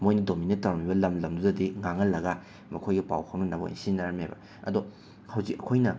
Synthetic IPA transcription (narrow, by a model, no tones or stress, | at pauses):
mojnɐdominettːɐɾɐmibɐlɐmlɐmdudɐdiŋaŋɐlːɐɡa | mɐkʰojɡɐpa̰wkʰawnɐnaboʔḭ̃nsinaɾɐmejbɐ̰ | ɐ̰dɔ | hɐwzikɐkʰojnɐ